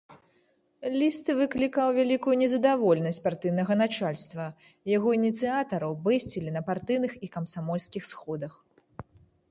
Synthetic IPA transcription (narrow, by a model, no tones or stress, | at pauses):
lʲist̪ɨvɨklʲikawvʲalʲikujunʲɛzɐd̪avɔlʲɛnɐsʲt͡sʲpart̪ɨjnɐɣɐnat͡ʂalʲst̪vɐ | jaɣɔinʲit̪sɨat̪ɐɾɐwbɛsʲt͡sʲilʲinɐpart̪ɨwnɨxikɐmsamɔlʲskʲixsxɔd̪ɐx